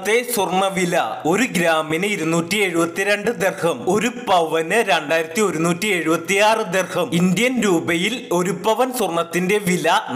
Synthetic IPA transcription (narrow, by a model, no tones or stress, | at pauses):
t̪ːe̞surɳɐʋilɐo̞ɾuɡɾaːminɨiɾunːuːtːie̞ɻubɐt̪ːiɾe̞ɳɖɨd̪erhɐmo̞ɾupɐʋɐnɨɾeɳɖaːjiɾɐt̪ːio̞ɾunuːtːie̞ɻubɐt̪ːijaːrɨd̪erhɐmind̪jɐnɾuːbɐjilo̞ɾupɐʋɐnsurɳɐt̪ːinde̞ʋilɐ